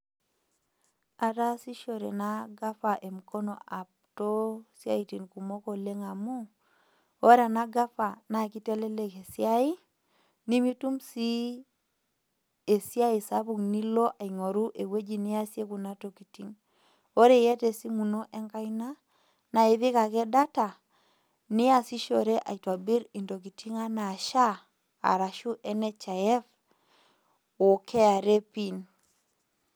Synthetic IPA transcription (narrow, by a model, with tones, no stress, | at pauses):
a˨ta˦si˦ʃo˨ɾḛ˨na˦ɡa˦fa˨ʔe˨mu˨ko˦no̰˨ʔa˨p̚ | to˦sja̰˦i˨ti˨nku˨mo˦ko˨le˦ŋa˨mu˦ | o˦ɾa˨na˦ɡa˦fa˨na˨ki˦te˦le˦le˨ke˨sja˦i˦ | ni˦mi˦tu˦msi˦ | e˨si˦a˦i˨sa˦βu˨kni˦lo˦ʔa˨i˨ŋo˨ɾu˦ʔe˨we˦d͡ʒi˦ni˦a˦sje˦ku˨na˦to˨ki˨ti˦ŋ | o˦ɾe˦˨jɛ˦te˨si˦mu˨no˦ʔɛ˦ŋka˦i˦na˦ | na˨e˨βɪ˦ka˨kɛ˦da˦ta˨ | nɪ˦a˦˨si˦ʃo˨ɾe˦ʔa̰˨i˨twa˨bi˦ɾi˨ndo˨k̬i˨tʰi˦ŋa˦na˨ʃa˦ | a̰˨ɾa˨ʃu˦ʔɛ˦nɛ˦t͡ʃa˨ɛ˦f | o˨kʰɛ˦a˨ɾe˦pi˦˨n